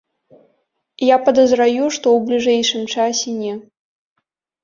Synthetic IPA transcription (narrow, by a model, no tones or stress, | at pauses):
japɐd̪ɐzɾajuʂt̪ɔwblʲiʐɛjʂɨmt͡ʂasʲɛnʲɛ